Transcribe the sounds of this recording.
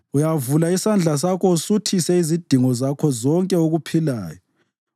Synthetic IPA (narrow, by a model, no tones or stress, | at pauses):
ujavulaisand͡ɮʱas̬akʰɔusutʰisɛizid̥ʱiŋɔzakʰɔzɔŋkʼɛoɣupʰila̰ːjɔ